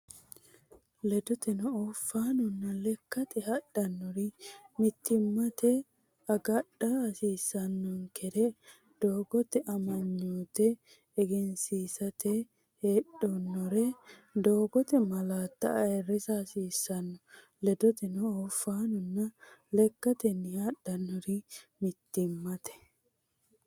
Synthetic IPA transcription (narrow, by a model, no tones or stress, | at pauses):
lɛd̪ɔt̪ɛnɔɔfːaːnɔnːɐlɛkːɐt̪ɛɦɐɗːɐnːɔɾɪmɪt̪ːɪmːɐt̪ɛ | ɐɡɐɗɐɐsiːsɐnːɔŋkʰɛɾɛ | d̪̥oːɡɔt̪ɛʔɐmɐɲːuːt̪ɛː | ɡɛnsiːsɐt̪ɛ | heːɗɔnːɔɾɛd̪oːɡɔt̪ɛmɐlaːt̪ːɐ̰ɐɛrːɪsɐɐsiːsːɐnːɔ | lɛd̪ɔt̪ɛnɔɔfːaːnɔnːɐlɛkːɐt̪ɛnːɪhaɗɐnːɔɾɪmɪt̪ːɪmːɐt̪ɛ̥